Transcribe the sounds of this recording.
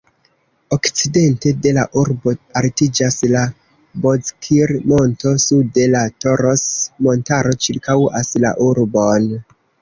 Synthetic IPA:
o̞kt͡side̞nte̞de̞laʔuɾbo̞altid͡ʒasla | bo̞zkʰiɾmo̞nto̞sude̞lato̞ɾosmo̞ntaɾo̞t͡ʃiɾkawasla̰ʔuɾbo̞n

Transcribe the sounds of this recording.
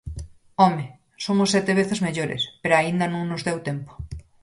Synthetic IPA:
ome | somosːɛt̪eβ̞eθezmeʎoɾḛspeɾoaind̪anõŋnozðewt̪empo̥

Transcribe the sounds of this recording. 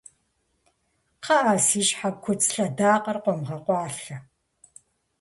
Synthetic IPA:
qɐʔaːsiːʃħab̚kʷʰʊt͡sʼɬɐdaːqʼɐrqʷɔmʁɐqʷɑːɬɐ

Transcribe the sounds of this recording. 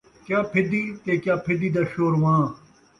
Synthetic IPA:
kjaːpʰɪd̪iːt̪eːkjaːpʰɪd̪iːd̪aːɕoːɾʋãː

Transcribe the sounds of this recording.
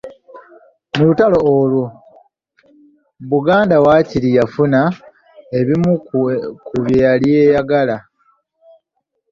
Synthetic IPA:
nulutalo̞olu | βuɡaːndawaːcilijafuna | e̞βimukuβjaljejaɡala

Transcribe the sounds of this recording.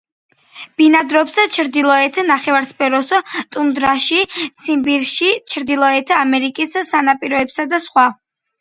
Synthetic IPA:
b̥inad̪ɾɔpst͡ʃʰɾd̪ilˠɔɛt̪ʰnaχɛvaɾspʰɛɾɔst̪ʼund̪ɾaʃit̪sʰimbiɾʃit͡ʃʰɾd̪ilˠɔɛt̪ʰamɛɾikʼisːanapʼiɾɔɛpsad̪asχwa

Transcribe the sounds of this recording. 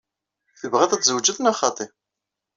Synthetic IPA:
θəvʁæðæt͡szəwd͡ʒəθnɑχɑt̪ˤe

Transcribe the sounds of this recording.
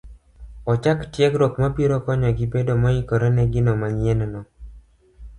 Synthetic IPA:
ɔt͡ʃaktjɛkɾokmabiɾɔkɔɲɔɡɪbedomɔikɔɾɔnɛɡɪnɔmaɲɪɛnnɔ

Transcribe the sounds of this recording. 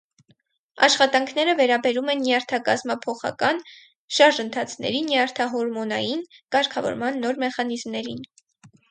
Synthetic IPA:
ɑ̰ʃχɑt̪ɑŋkʰnɛɾəvɛɾɑbɛɾumɛnːjɑɾt̪ʰɑkɑzmɑpʰɔχɑ̰kɑn | ʃɑɾʒənt̪ʰɑt͡sʰnɛ̰ɾinjɑɾt̪ʰɑɦɔɾmɔnɑjinkɑɾkʰɑvɔ̰ɾmɑnːɔɾmɛχɑnizmnɛɾin

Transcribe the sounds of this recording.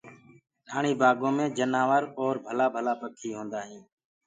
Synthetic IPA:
ɗaːɳiːbaːɡõːmẽːd͡ʒənaːʋəɾɔːɾbʱəlaːbʱəlaːpək̪ʰiːɦõːnd̪aːɦĩː

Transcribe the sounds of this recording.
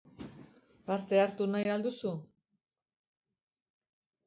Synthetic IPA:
paɾt̪e̞aɾt̪unajald̪usu

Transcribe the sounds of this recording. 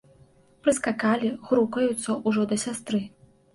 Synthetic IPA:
pɾɨskakalʲiɣɾukɐjut̪sːɐʔuʐɔd̪ɐsʲast̪ɾɨ

